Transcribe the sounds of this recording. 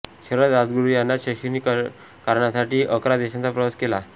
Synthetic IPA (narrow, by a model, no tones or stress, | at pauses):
ɕəɾəd̪ad̪ɡuɾijanːaɕəɕinik | kaɾɳjasaʈiːʔəkɾad̪eɕãnt͡sapɾəʋəskela